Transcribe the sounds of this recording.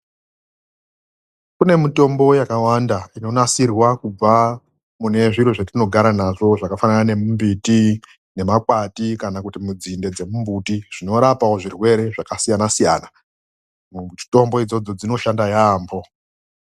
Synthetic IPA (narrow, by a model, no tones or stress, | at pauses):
kune̞mito̞mbo̞jakawandaino̞nasirwakub͡va | mune̞ʐiɾweʐatino̞ɡʱaɾanaʐo̞ʐakafananane̞mumbiti | ne̞makwatikanakutimud͡zinde̞d͡ze̞mumbutiʐ̥ino̞ɾapaoʐirwe̞ɾe̞ʐakasijanasijaːna | t͡ʃi̥to̞mbo̞id͡zo̞d͡zo̞d͡zino̞ʃandajaːmbo̞